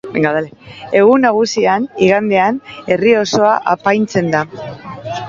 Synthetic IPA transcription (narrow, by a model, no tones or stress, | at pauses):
beŋɡaðalee̞ɣunaɣusianiɣand̪e̞ane̞rio̞so̞aʔapajnt͡se̞nd̪a